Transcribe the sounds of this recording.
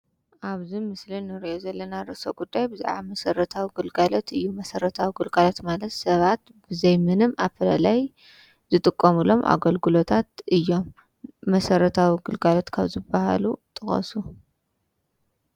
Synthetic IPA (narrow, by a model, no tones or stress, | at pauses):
ʔaβzimɨslinɨɾiʔozɐlːɐnaɾɨso̰ɡud̪ːajbɨzḭʕa̰mɐsɐɾɐt̪ʰawiɡɨlɡalot̪ʰɨjːumɐsɐɾɐt̪ʰawiɡɨlɡalot̪malɐt̪sɐβat̪ | b̥ɨzɐjmɨnɨmʔafɐlɐlaj | zɨt̪ʼɨkʼːɐmɨlo̞mʔa̰ɡɐlɡɨlo̞t̪ʰat̪ɨjːo̞mː | ɐsɐɾɐt̪ʰawiɡɨlɡalo̞t̪kʰaβzɨbːaha̰lut̪ʼɨxʼɐ̰su